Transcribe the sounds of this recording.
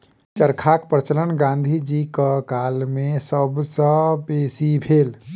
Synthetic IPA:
t͡ʃəɾkʰaːkpɾət͡ʃələnɡãːnd̪ʱid͡ʒikakaːlmẽsəbsəpeːsibʱeːl

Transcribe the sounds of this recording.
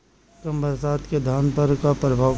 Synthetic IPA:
kəmbəɾsaːt̪ked̪ʱaːnpɐɾkapɾɐbʱaː

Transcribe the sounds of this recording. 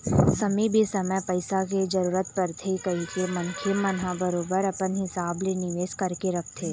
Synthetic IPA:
sɐmibʱisɐməjpɐɪsak̬ed͡ʒɐɾuːɾət̪pɐɾt̪ʰekɐikemɐnkʰemɐnɦabəɾoːbəɾɐpənɦɪsaːblenɪʋeːʃkɐɾkeɾɐk̚ʰt̪ʰeː

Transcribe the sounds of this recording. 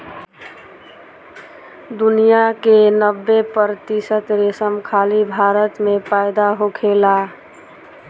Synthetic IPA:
d̪unijakenəbːepəɾt̪isət̪ɾesəmkʰalibʱaɾət̪mepajd̪aɦokʰela

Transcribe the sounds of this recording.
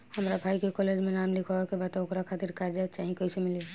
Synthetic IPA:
hɐmɾabʱaːikekɔːleːd͡ʒmẽnaːmlɪkʰaʋakebaːt̪okɾakʰaːt̪ɪɾkaɾd͡ʒaːet͡ʃaːɦĩkoisemɪle

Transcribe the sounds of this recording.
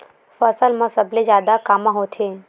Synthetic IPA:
fəsəlmãsəbled͡ʒaːd̪akamãɦot̪ʰe

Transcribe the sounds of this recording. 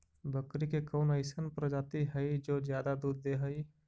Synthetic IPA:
bʱəkɾikekɔːnəɪsənpəɾd͡ʒaːt̪iɦəid͡ʒoːzjaːd̪ad̪uːd̪ːeɦɐi

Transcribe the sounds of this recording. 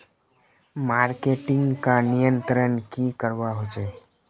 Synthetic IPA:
maɾkeʈiŋɡkãnijənt̪ɾənkĩkəɾʋaɦot͡ʃʰe

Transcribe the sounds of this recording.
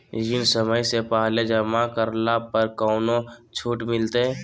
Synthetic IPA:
d͡ʒinsəməjsepaɦled͡ʒəmakəɾlapəɾkɔʊnot͡ʃʰuːʈmɪlt̪ẽ

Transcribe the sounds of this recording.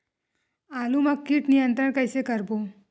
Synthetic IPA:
alumaɡ̚kiːʈnijənt̪ɾəɳkajsekəɾbo

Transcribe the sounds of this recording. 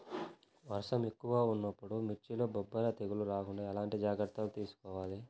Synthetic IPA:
ʋɐɾʂɐmekːuʋaːunːɐpːuɽumiɾt͡ʃilo̞ːbobːɐlɐt̪eɡuluɾaːkuɳaɐlaːɳʈid͡ʒaːɡɾɐt̪ːɐlut̪iːsu̥kɔːʋaːli

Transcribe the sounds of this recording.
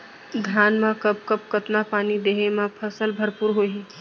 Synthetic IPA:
ɡ̪ʱaːnmãkɐp̚kəp̚kət̪napaːnid̪eːɦemãpʰəsəlbʱəɾpuɾɦoːi

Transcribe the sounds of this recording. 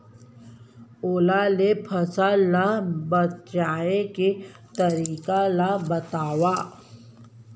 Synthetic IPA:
oːlalepʰɐsalabɐt̪aːeke | t̪ɐɾiːkalabɐt̪aːwaː

